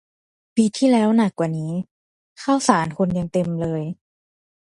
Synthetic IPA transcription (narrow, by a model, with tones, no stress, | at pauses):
piː˧t̪ʰiː˥˩˨lɛː˦˥wna˨˩kːwaː˨˩niː˦˥ | kʰa˥˩wsaː˩˦nkʰo˧nja˧ŋt̪e˧mlɤː˧j